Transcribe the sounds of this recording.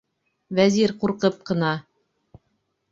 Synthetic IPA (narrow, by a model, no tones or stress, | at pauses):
væziɾquɾqɤp̚qɤ̆nɑ